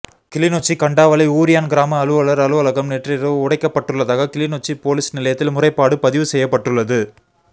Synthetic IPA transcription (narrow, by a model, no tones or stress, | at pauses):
kɪlɪnoːt͡ʃːikɐɳɖaːʋɐlɐɪuːɾɪjaːnɡɪɾaːmɐːlɯʋɐɭɐɾɐlɯʋɐlɐɣɐmneʈrɪɾɐʋɯʊɽɐɪkːɐpːɐʈːɯɭːɐðaːɣɐkɪlinot͡ʃːipoːlisnɪlɐjɐt̪ːɪlmʊrɐɪpːaːɽɯpɐðɪʋɯsɛjːɐpːɐʈːɯɭːɐðɯ